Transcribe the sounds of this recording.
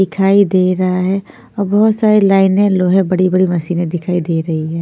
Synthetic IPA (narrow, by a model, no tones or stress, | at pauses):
ɪkʰaːid̪eːɾɐɦaɦɛ | ɔːɾbɐɦʊt̪saːɾelaːɪnẽloːɦɦɛ̃bɐɽibɐɽimɐsiːnẽd̪ɪkʰaːid̪eːɾɐɦiɦɛː